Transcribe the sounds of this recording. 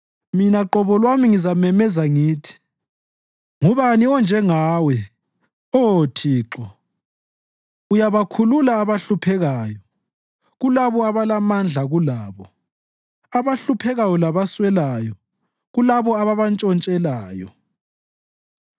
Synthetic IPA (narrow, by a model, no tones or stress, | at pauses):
minaǁɔβɔlwamiŋizamɛmɛzaŋiːtʰi̥ | ŋuβaniɔnd͡ʒʱɛŋaːwɛ | otʰiːǁɔ | ujaβakʰululaːβaɬupʰɛɣaːjɔ | ɣulaβɔaβalamand͡ɮʱaɣulaːβɔ | aβaɬupʰɛɣajɔlaβaswɛlaːjɔ | ɣulaβɔaβaβant͡ʃʼɔnt͡ʃʼɛlaːjɔ̰